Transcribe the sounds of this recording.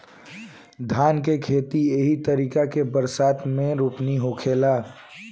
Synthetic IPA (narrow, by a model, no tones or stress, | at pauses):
d̪ʱaːnkekʰeːt̪ieɦit̪əɾiːkakebəɾsaːt̪mẽɾuːpniɦokʰeːlaː